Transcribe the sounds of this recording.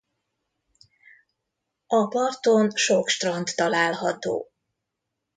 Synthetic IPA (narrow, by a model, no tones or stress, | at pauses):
ɒpɒrt̪onʃokʃt̪rɒnt̪ːɒlaːlɦɒt̪o̰ː